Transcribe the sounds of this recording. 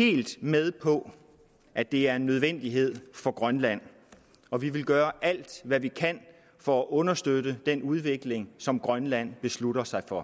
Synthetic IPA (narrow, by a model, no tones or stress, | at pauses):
he̝̰ːld̥með̞ˠpʰɒ̽ | ʔæd̥e̝æɐe̝nːøð̞ˠʋen̰d̥iɦe̝ð̞̰ˠfɒ̽ɡ̥ʁɶnlæn̰ | ɒ̽ʋiʋe̝lɡ̥ɶːɐʔæl̰d̥ʋæʋikʰæn̰ | fɒ̽æʔɔ̽nɐsd̥ødəd̥enuð̞ˠʋe̝ɡ̥le̝ŋsɒ̽mɡ̥ʁɶnlæn̰b̥e̝sluɾ̥ɐsɑ̈ɪfɒ̽